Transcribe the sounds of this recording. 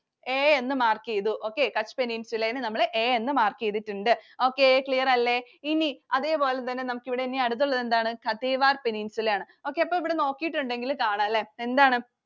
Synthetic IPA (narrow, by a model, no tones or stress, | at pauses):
eːenːɨmaːrkijɐðuʔo̞ːkːe̞kɐt͡ɕːpeninsulenɨnɐmːɐɭʔeːenːɨmaːrkijɐðitːuɳɖɨo̞ːkːeekɭijɐrɐlːe | iniɐðe̞ːpo̞ːlet̪ːɐnːe̞nɐmukːiʋiɽeinːiɐɽut̪̬ːuɭːɐðe̞nd̪aːɳɨkɐt̪eːʋaːrpeninsulaːɳɨ | o̞ːkːeɐpːoːiʋiɽeno̞ːkːijiʈːuɳɖe̞ŋɡilkaːɳɐɐlːeend̪aːɳɨ